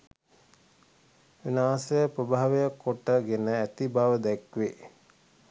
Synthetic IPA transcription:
ʋinaːsəjəpɾəbaɦaʋejakːoʈːəɡenəæt̪ibaʋəd̪ækʋe

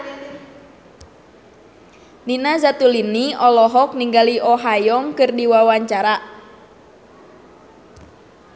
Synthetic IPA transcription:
ninazat̪uliniɔlɔɦɔk̚niŋɡaliʔɔɦajɔŋkɨrdiwawaɲt͡ʃaɾa

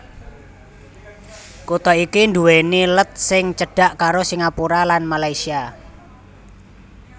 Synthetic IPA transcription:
kut̪ɔikinɖ̪uwenilət̪̚sɪŋt͡ʃəɖ̥a̤ʔkaɾosiŋapuɾalanmalaisia

